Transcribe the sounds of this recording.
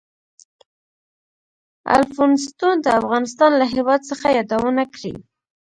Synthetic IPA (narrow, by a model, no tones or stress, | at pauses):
a̰lfonɪst̪ont̪aafɣɑnɪst̪ɑnlaɦewɑd̪̚səxajɑd̪awənakɽḭ